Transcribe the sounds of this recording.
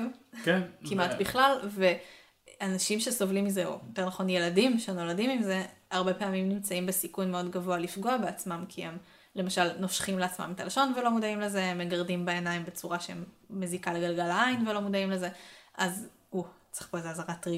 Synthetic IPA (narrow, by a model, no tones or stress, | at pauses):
kkimatbiχlalve̞ | anaʃimʃe̞so̞vlimizeo̰jotenaχo̞nje̞ladimʃeno̞ladimimze̞aʁbe̞peamimnimt͡saimbe̞sikunmeo̞dɡavoalifɡo̞abeat͡smamkʰihem | le̞maʃalnoʃχimleat͡sma̰mit̪alaʃo̞nvelo̞mudaimleze̞emːeɡaʁdimbeenaimbet͡suʁaʃeemː | ezikaleɡalɡalajnvelo̞mudaimleze̞ʔaz | ut͡seχpoezeazaʁatʁi